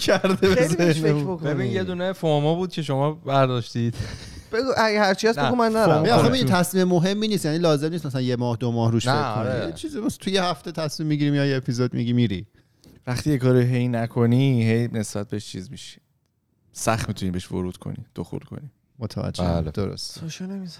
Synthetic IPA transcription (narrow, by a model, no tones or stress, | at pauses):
cʰæɾd̪ebeeebokbeinjed̪uːnefoɾmɔbuːd̪̥̚cʰeʃomɒːbæɾd̪ɒːʃt̪id̪̥ | b̥eɡuæhæɾt͡ʃʰiæsnɡumːænːæɾæɒxeidit̪ʰæsmiːmemoɦe̞mːiːniːst̪jænilɒːze̞mnismæs̬ælænjemɒːhd̪omɒːhɾuːʃekʰojet͡ʃʰizimt̪ʰujehæft̪et̪ʰæsmimːiɟiɾimjɒjeepʰizod̪mḭɟimiɾi | væχt̪iːjekʰɒːɾiɦejnækʰoniɦejne̞sb̥æt̪̚beeʃt͡ʃʰḭːzmiʃi̥ | sæxt̪mit̪ʰuniːbeʃvo̰ɾuːd̪̥kʰo̰nḭd̪̥oxṵlkʰo̰ni | mot̪ʰævæ̰d͡ʒːḛld̪o̰ɾo̰st̪oʃɑnemiz